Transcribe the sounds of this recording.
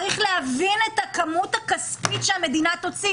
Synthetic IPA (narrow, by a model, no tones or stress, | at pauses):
ʁiχleavine̞t̪hakamut̪hakaspitʃeame̞d̪inat̪o̞t͡si